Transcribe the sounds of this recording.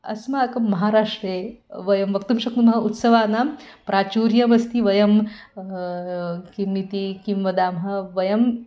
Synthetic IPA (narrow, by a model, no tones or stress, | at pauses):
ɐ̰smaːkɐmːɐɦaːɾaːʂʈɾeːʋɐjɐmʋɐk̚t̪ɐmʃɐknumɐɦɐʔut̪sɐʋaːnaːmpɾʔaːt͡ʃuːɾjɐmɐst̪ʰiʋɐjɐm | kimːit̪ikimʋɐd̪aːmɦɐ̆ʋɐjɐm